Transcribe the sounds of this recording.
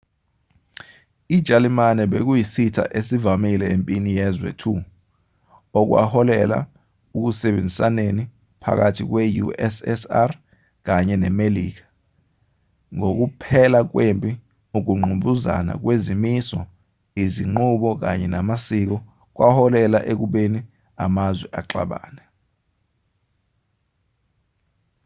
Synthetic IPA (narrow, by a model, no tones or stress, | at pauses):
id̥ʒ̥ʱalimanɛɓek̬ujisitʰa̰ʔesivamilɛempʼinijɛzwɛ̰tʰu | ɔk̬wa̰hɔlɛla̰ | uk̬usɛɓend͡zʱisaneni | pʰa̰k̬atʰik̬wejṵɛsɛsar | k̬aɲɛnɛmeliːk̬ḁ | ŋok̬upʰɛlak̬wempʼi | uk̬uŋ͡ǃʱuɓuza̰na̰k̬wezimisɔ | iziŋ͡ǃuɓɔk̬a̰ɲɛnamasik̬ɔ | k̬wahɔlɛla̰ʔek̬uɓeni | amazwɛʔaǁa̰ɓa̰ːnɛ